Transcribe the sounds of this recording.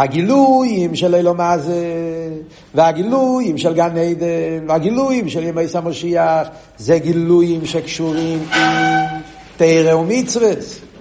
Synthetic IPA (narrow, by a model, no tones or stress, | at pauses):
aɡilujimʃɛlejlomaze | vɪaɡilujimʃɛlɡaneɪd̪ɛnvaɡilujimʃɛljəmeɪsamɔʃiaχ | zeɡilujimʃɛkʃuʁimin | teɪɾeumit͡sves